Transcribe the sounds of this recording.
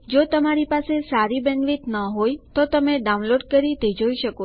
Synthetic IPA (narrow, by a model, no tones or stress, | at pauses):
d͡ʒot̪əmaɾipasesaɾibənʋit̪nəɦojt̪ot̪əmeɖaũnloɖkəɾit̪ed͡ʒoiʃəko